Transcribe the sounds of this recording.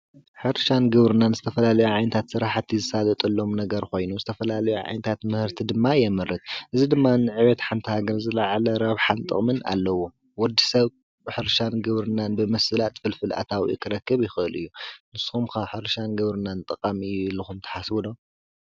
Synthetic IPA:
ħɨɾʃanɡɨβɾɨnanzɨt̪ʰɐfɐlalɐjuʕajnɐt̪ʰat̪sɨɾaħt̪ʰizɨsalɐt̪ʼɐlːo̞mnɐɡɐɾko̞jnuzɨt̪ʰɐfɐlalɐjuʕa̰jnɐt̪ʰat̪mɨhɨɾt̪ʰid̪ɨmːajɛmɨɾɨt̪ʔɨzid̪ɨmːanɨʕɨβɐt̪ħant̪ʰɨhaɡɐɾzɨlaʕalɐɾɐβħant̪ʼɨ̰χʼmɨna̰lːɐwo | wɔd̪ːisɐβ | ħɨɾʃanɡɨβɾɨnanbɨmɐsɨlat̪ʼfɨlfɨlʔa̰t̪ʰawḭkʰɨɾɐkːɨβjɪxɨɨlʔɨ̰jːunɨsxumkʰaβħɨɾʃanɡɨβɾɨnant̪ʼɨqʼamilɨxumt̪ʰɐ̥ħasbɨlom

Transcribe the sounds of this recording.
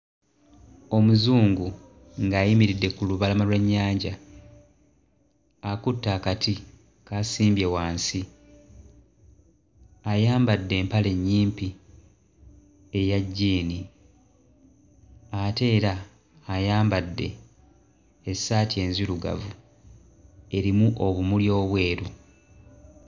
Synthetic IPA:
o̞muzuːŋɡu | ŋɡaːjimiɾidːe̞kuluβalamalweɲːaːɲɟa | kutːaːkati | kaːsiːmbje̞waːnsi | ajaːmbadːe̞ːmpale̞ɲːiːmpi | e̞jaɟːiːni | ate̞ːɾaː | jaːmbadːe̞̰ | saːtie̞nziluɡa̰vu | e̞ɾimuʔo̞βumuljo̞ːβwe̞ːɾu

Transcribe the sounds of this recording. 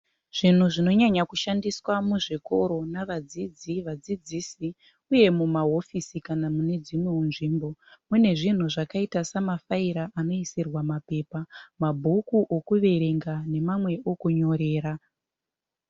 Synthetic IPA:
ʐ̥in̤uʐino̞ɲaɲakuʃandiswamuʐiko̞ɾo̞naʋad͡zid͡ziʋad͡zid͡ziːsi | uje̞mumaɦo̞fisikanamune̞d͡zimwe̞unʐiːmbo̞mune̞ʐin̤uʐakaitasamafaiɾaʔano̞isirwamape̞ːpamabʱukuʔokuʋe̞ɾe̞ŋɡane̞mamwe̞ʔokuɲo̞ɾe̞ːɾa

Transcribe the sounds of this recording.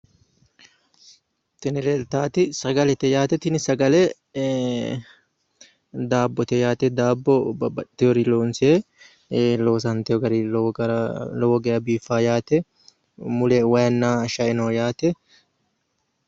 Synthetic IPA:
t̪ɛnɪleːlt̪aːt̪ɪsɐɡɐlɛt̪ɛjaːt̪ɛt̪ɪnɪsɐɡɐlɛ | d̪aːbːɔt̪ɛjaːt̪ɛd̪aːbːɔbɐbɐtt̪ːɛjɔɾiloːnseː | loːs̬ɐnt̪ɛɔɡɐɾiɾlɔwɔɡɛɐbiːfːaːjaːt̪ɛ | mʊlɛwɐjɐnːaːʃɐʔɪnoːjaːt̪ɛ

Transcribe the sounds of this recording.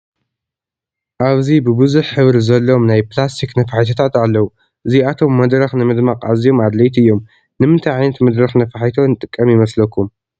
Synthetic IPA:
ʔaβzibɨbɨzuħħɨβɾzɐlːo̞mnajplast̪ʰiknɐfaħɨt̪ʰɐt̪ʰat̪alːɐwu | ʔɨziat̪ʰo̞mːɐd̪ɾɐxnɨmɨd̪maqʼazijo̞mad̪lɐjt̪ɨjːo̞m | nɨmɨnt̪ʰajʕajnɐt̪mɐd̪ɾɐxnɐfaħjt̪ʰonɨt̪ʼɨkʼːɐmjɪmɐslɐkːum

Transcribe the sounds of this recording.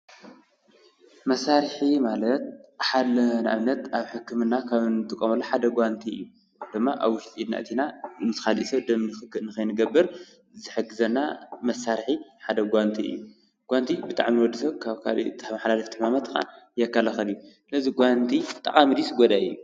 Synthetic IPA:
mɐsaɾħimalɐt̪̚ħalɐnʔa̰βnɐt̪aβħɨkːɨmɨnːakʰaβɨnt̪ʼɨkʼːɐmɐlːoħad̪ɐɡʷant̪ʰiɨ̰jːu | d̪̥ɨmːaʔa̰βwʊʃt̪ʼiid̪na̰ʔt̪ʰinamɨt̪ɨxalḭʔsɐd̪ɐmnɨxɨkːɨlnɨkɐjnɨɡɐbːɨɾ | zɨħɨɡːɨzɐnːa̰mɐsaɾħiħad̪ɐɡʷant̪ʰiʔɨ̰jːu | ɡ̥ʷant̪ʰibɨt̪ʼa̰ʕmiwɔd̪ɨsɐkʰaβka̰lḭt̪ʰmaħlalɨft̪ʰɨħmamat̪ːɨxʼa̰njɐkːalɐxɐlɨjusɨlɐziɡʷant̪ʰit̪ʼɐ̰χʼamid̪isɡɔd̪ajɨ̰jːu

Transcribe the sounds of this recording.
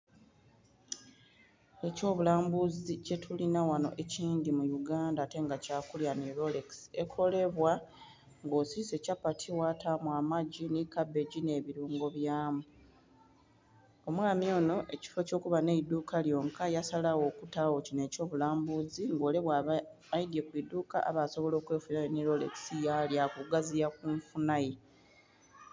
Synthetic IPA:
e̞co̞ːβulaːmbuzice̞tʰulinawano̞̰ʔe̞ciːndimujuɡaːndaːte̞ŋɡacaːkuljaniɾo̞lekse̞kʰo̞le̞βwa | ŋɡo̞ːsise̞capatʰiwatamwaːmaɟinikabːe̞ɟine̞βiɾuːŋɡo̞βjaːmu | o̞mwaːmjo̞ːno̞ʔe̞ci̥fo̞co̞ːkuβaneidukaljo̞ːŋkajasalawo̞ːkutawocine̞co̞ːβulaːmbuziŋɡo̞ːle̞βwa | βajidje̞kwiduːka̰a̰βaso̞βo̞lo̞ːkwe̞ːfunajeniɾo̞le̞̰ksijaljakuɡazijakuɱfunaje

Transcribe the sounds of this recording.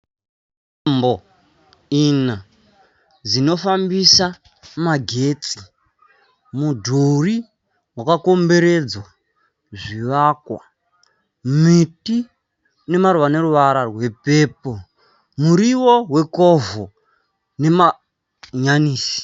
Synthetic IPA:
ambo | ina | d͡zino̞fambisa | maɡʱe̞t͡si̥ | mudʱuri | wakako̞mbe̞ɾe̞d͡zwa | ʐiʋakwa | miti | ne̞maɾuʋane̞ɾuʋaɾarwe̞pe̞ːpo | muɾiwoɦwe̞kovo | ne̞ma | ɲaniːsi̥

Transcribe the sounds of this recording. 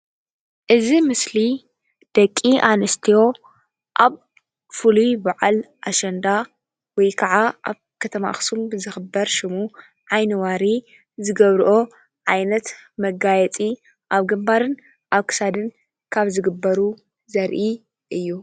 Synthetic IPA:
ʔɨzimɨsli | d̪̥ɐkʼːiʔanɨst̪ʰijo̞ | ʔaβ | fulujbaʕalʔaʃɐnd̪a | wɔjkʰɐʕaʔa̰βkʰɐt̪ʰɐma̰xsumbɨzɨxɨbɐɾʃɪmu | ʕajnɨwaɾi | zɨɡɐβɾʔo̞ | ʕajnɐt̪mɐɡajɛt͡sʼi | ʔaβɡɨmbaɾɨn | ʔaβkʰɨ̥sad̪ɨn | kʰaβzɨɡɨbːɐɾu | zɐɾʔi | ʔɨjːu

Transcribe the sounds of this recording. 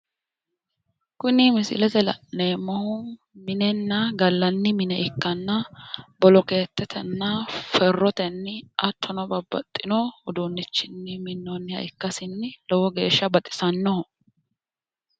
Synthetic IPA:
kʊnɪmɪsɪ̰lɛt̪ɛlɐ̰ʔeːmɔhʊ | mɪnɛnːɐɡɐlːɐnːɪmɪnɛʔɪkːɐnːɐbɔlɔke̞ːt̪ːɛt̪ʰɛnːɐfɛrːɔt̪ɛnːɪʔɐt̪ːɔnɔbɐbɐt̪ʼːɪnɔʊd̪unːɪt͡ʃːɪnːɪmɪnːɔnːɪhɐ̰ɪkːɐsɪnːɪlɔwɔɡe̞ːʃːɐbɐt̪ʼːɪ̥sɐnːɔ

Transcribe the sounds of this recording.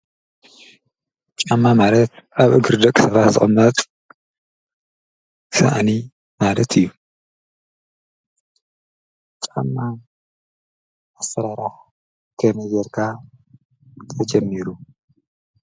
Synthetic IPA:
t͡ʃʼamːamalɐt̪aβʔɨɡɨɾd̪ɐkʼsɐβat̪zɨ̰xʼɨmːɐt̪ʼ | sa̰ʔani | malɐt̪ʰɨjːu | t͡ʃʼamːa | asːɐɾaɾax | kʰɐmɐjɛɾkʰa | t̪ʰɐd͡ʒɐmːiɾu

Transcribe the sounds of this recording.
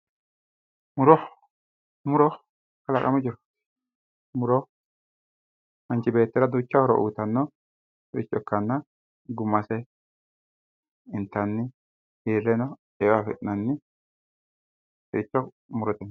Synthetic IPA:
mʊɾɔ | mʊɾɔ | kɐlɐkʼɐmʊd͡ʒɪɾɔt̪ | mʊɾɔ | ɐnt͡ʃɪbe̞ːt̪ːɛɾɐd̪uːt͡ʃːɐhɔɾɔ̰ʔṵːt̪ɐnːɔ | ɪ̰t͡ʃʼːɔkːɐnːɐ | ɡʊmːɐsɛ | ɪnt̪ːɐnːɪ | heːɾɛnɔ | ewafɛʔɪnɐnːɪ | ɛːt͡ʃːɔ | mʊɾɔt̪ɛnː

